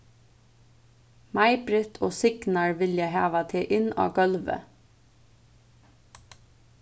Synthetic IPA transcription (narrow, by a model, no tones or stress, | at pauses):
mɑɪbɾɛt̪ʰoːsɪɡ̥nɑɹʋɪljæhɑːʋɑt̪ʰeːʔɪnɑ̰ːɡœlʋə̰